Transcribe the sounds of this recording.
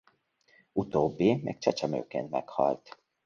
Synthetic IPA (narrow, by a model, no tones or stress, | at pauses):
ut̪oːbːimɛ̰k̚t͡ʃɛt͡ʃɛmø̰ːkeːnt̪mɛkhɒ̰lt̪